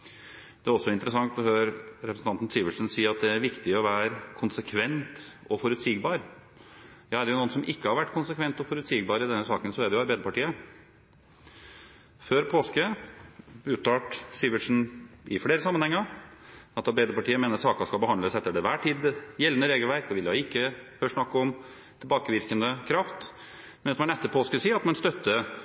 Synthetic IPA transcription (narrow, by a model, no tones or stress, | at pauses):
d̪ɛæɾɔsːɔɪnt̪əɾəsɑŋt̪ɔføːɾɾɛpɾsn̩t̪ɑnt̪n̩siːʋəʂnsiːɑt̪̚d̪ɛæɾʋɪkt̪ɪɔʋæːɾkʰʊnsəkʰʋɛnt̪ɔfɔɾʉt̪siːɡbɑːɾ | jɑːæɖɛjʊnuːnsɔmʔɪkːəhɑɾʋæʈːkʰʊnsəkʰʋɛnt̪ɔfɔɾʉt̪siːɡbɑːɾɪd̪ɛnːəsɑːkənsɔæɖɛjʊɑɾbæɪd̪əpɑʈiːə | føːɾpʰoːskə | ʉːt̪ɑːʈsiʋəʂnʔɪfɽeːɾəsɑmənhɛŋːəɾɑt̪ɑɾbæɪd̪əɾpɑʈʰiːəmeːnəɾsɑːkɑskɑlbəhɑnləsɛt̪ːəɖɛʋæːʈʰiːd̪jɛlənəɾeːɡəl̩ʋæɾkd̪ɛʋɪljɑɪkːəhøːʂnɑkːɔm | t̪ʰɪlbɑːkəʋɪɾkənd̪əkʰɾɑft̪ | mɛnsɔmɛnɛt̪ːəpʰoːskəsiːɾɑt̪mɛnst̪œt̪ːə